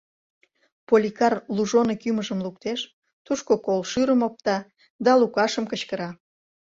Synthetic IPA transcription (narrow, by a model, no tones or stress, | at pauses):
polʲikɑrluʒonekyməʒəmlukt̪eʃ | t̪uʃkokolʃyɾəmop̚t̪ɑ | d̪ɑlukɑʃəmkət͡ɕkəɾɑ